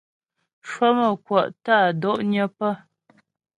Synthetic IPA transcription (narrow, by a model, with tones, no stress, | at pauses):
ʃwə˦mə˨kwɔ˨ʔtaː˦˨dɔ˦˨ʔɲə˦pə˦